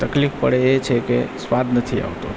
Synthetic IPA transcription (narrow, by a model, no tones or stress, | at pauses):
t̪əklifpə̰ɽeet͡ʃʰekeswad̪ʱnət̪ʰia̰ʋt̪o̰